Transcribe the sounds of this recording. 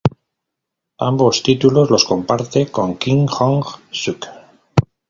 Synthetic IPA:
a̰mbo̞st̪it̪ulo̞zlo̞sko̞mpaɾt̪e̞ko̞ŋkiŋxoŋxsuk

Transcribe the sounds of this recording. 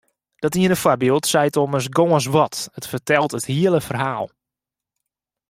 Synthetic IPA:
d̥ɔtiənəfwɔrbiəlˠtsɛjtoməs̬ɡoːəns̬ʋɔtətfərtɛlˠtəthiələfərhaːlˠ

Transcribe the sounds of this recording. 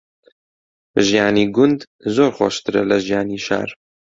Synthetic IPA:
ʒijaːniːɡʊnd̪ | zoːɾxʷɑ̰ːʃt̪ɨɾɛlɐʒjaːniːʃɑ̰ːɾ

